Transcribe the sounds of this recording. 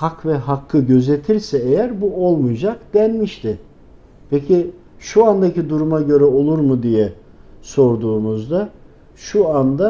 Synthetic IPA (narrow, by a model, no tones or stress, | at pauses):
hakvɛɦakʰːɯɟø̞ze̞t̪ʰiɾsɛejæɾbuo̞lˠmujd͡ʒakd̪ænmiʃt̪ʰɪ | pʰecʰi | ʃuand̪acid̪uɾumaɟø̞ɾɛo̞lˠuɾmud̪ijɛ | so̞ɾd̪uːmuzd̪a | ʃuand̪a